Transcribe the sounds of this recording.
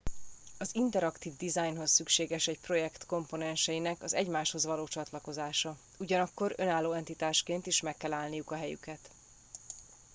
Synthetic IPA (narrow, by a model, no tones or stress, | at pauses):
ɒzint̪ɛɾɒkt̪iːvd̪izajnɦo̞ssykʃeːɡɛʃɛcpro̞jɛkt̪ko̞mponɛnʃɛjinɛkɒzɛɟmaːʃho̞zʋɒloːt͡ʃɒt̪lɒko̞zaːʃɒ | uɟɒnɒkːo̞ɾø̞naːlːoːɛnt̪it̪aːʃkeːnt̪iʃmɛkːɛlaːlnijukɒɦɛjy̰kɛt̪